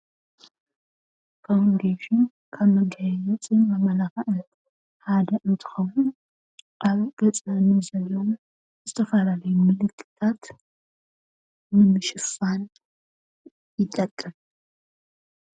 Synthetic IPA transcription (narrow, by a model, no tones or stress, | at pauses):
kʰawnd̪eʃɪn | kʰaβmɨŋkʰɐjɛzɛt͡sʼinamɐlaxɐʔɨ | had̪ɐʔɨnt̪ʰɨ̥xɐwun | ʔaβɡ̥ɐt͡sʼɐnɨzɐlːonu | zɨt̪ʰɐfɐlalɐjumɨlɨkʼːɨ̥t̪ʰat̪ | nɨmɨʃɨfan | jɪt̪ʼːɐkʼːɨm